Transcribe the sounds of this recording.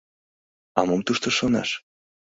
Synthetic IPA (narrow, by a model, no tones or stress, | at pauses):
ɑmomt̪uʃt̪oʃonɑ̰ʃ